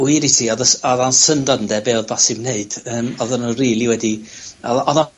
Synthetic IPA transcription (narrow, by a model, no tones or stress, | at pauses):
wiɾitʰiɔðəsɔðansəndɔdn̩dɛbeɔðbasɪmneɨd̥əːmɔðənənriːlˠiwɛdi | ɔɔða